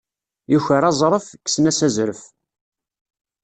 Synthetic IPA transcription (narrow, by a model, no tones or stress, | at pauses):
juçəɾɑzˤɾˤəfkːsənæsæzɾəf